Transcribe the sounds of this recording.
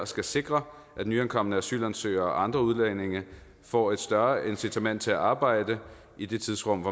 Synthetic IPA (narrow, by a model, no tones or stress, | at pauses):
sɡ̥æse̝ɡ̥ʁɐ | ʔæd̥nyænkʰɒ̽m̰ənəæsy̰ːlænsø̰ːɐɒʔɑ̈nd̥ʁɐuðˠlene̝ŋə | fɒ̰ːe̝d̥sd̥ɶɐʔe̝nsit͡sʰæmæn̰d̥t͡sʰe̝æʔɑ̈ːb̥ɑ̈ɪ̰d̥ə | id̥e̝t͡sʰið̞ˠsʁɔ̽m̰ʋɒ